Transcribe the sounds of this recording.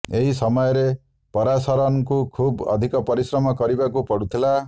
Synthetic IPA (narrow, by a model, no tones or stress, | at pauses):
eɦisɔmɔjɔɾe | pɔɾasɔɾɔnkukʰubɔ̰d̪ʱikɔpɔɾisɾɔmɔkɔɾibakupɔɽut̪ʰila